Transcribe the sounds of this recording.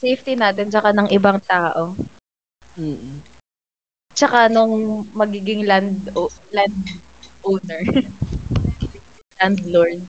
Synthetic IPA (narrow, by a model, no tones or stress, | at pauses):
sejft̪inaːt̪̬ɛnt͡ʃɐkanɐŋʔɪbaŋt̪aːʔo̞ | t͡ʃɐkanʊŋmɐɡiːɡɪŋland̪oland̪ | ʔownɛɹ | ɐ | land̪loɹd̪̚